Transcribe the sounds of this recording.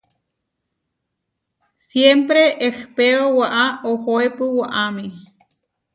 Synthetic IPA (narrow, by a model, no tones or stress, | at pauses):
sjempɾeʔehpeowaʔaohoepuwaʔami